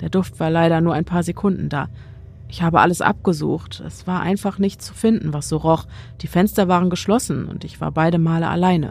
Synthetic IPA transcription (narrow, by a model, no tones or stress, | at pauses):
d̥eːɐdʊftv̥aːɐlaɪɾɐnuːɐaɪnmpʰaːɐzekʰʊndn̩da̰ː | ʔɪçhaːbəʔa̰ləsʔa̰p̚ɡ̥əzṵːχtʔɛ̰sv̥aːɐʔa̰ɪnfaχnɪçtt͡su̥fɪndn̩vasz̥oːʁɔχd̥iːfɛnstɐvaːʁ̞ənɡəʃlɔsn̩ʊ̰ntɪçv̥a̰ːɐbaɪɾəmaːləʔa̰laɪnə̰